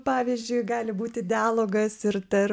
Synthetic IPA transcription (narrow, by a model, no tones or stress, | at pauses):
pɑːʋʲiːzʲd͡ʒʲʊɪɡɑːlʲɪbuːt̪ʲɪd̪ʲɪæːlˠoːɡɐsɪɾt̪ɐɾ